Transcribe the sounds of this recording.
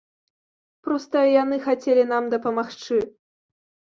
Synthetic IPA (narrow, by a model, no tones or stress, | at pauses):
pɾɔst̪ɐijanɨxat͡sʲelʲinamd̪ɐpɐmaxt͡ʂɨ